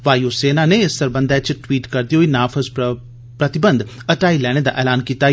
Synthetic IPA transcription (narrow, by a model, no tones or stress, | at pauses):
ʋaːjoːseːnaːneɪst̪əɾbə̃nd̪ɛːt͡ʃʈwiːʈkəɾd̪iːɦoːiːnaːpʰəz | pɾət̪ɪbənd̪əʈaːiːlɛːɽ̃eːd̪a̰ːʔɛːlaːnkiːt̪aː